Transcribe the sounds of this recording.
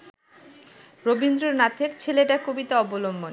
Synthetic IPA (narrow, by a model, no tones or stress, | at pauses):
ɾobind̪ɾoɾnat̪ʰeɾt͡ɕʰeleʈakobit̪aɔbolombon